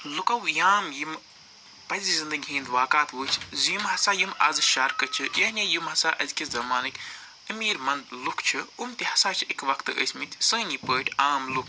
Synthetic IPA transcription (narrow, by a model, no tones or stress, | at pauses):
lukɐwjaːmjim | pɐzizind̪ɨɡʲɦĩːnd̪ʋaːkaːt̪ʋɨːt͡ʃʰzjimɦɐsaːjimɐzʃɐɾkɐt͡ʃʰɨjɐɦnʲeːjimhɐsaːʔɐzkʲizɐmaːnɨkʲ | əmiːɾmɐnd̪lukʰt͡ʃʰɨumt̪ihɐsaːt͡ʃʰɨikʋɐkʰt̪ɨə̰sʲmit̪ʲʰsɨ̃ːnipəːʈʲʰaːmluk